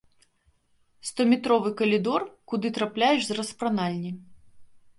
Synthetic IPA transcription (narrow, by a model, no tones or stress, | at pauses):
st̪ɔmʲɛt̪ɾɔvɨkɐlʲid̪ɔrkud̪ɨt̪ɾaplʲajɛʐzrɐspɾanalʲnʲi